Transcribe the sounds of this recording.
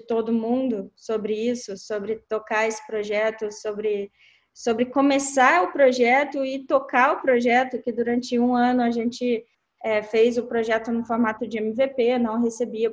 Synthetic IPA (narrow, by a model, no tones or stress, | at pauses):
ɪt̪od̪ʊmũnd̪ʊsobɾɪisʊsobɾɪt̪okaesɪ̥pɾoʒɛt̪ʊsobɾɪ | sobɾɪkõmesaʊpɾoʒɛt̪ʊɪt̪okaʊpɾoʒɛt̪ʊkɪd̪uɾɐ̃nt͡ʃɪũɐ̃nʊaʒẽnt͡ʃɪ | ɛfejzʊpɾoʒɛt̪ʊnʊ̃foɾmat̪ʊd͡ʒɪẽmɪvepenɐ̃w̃ɦesebiɐ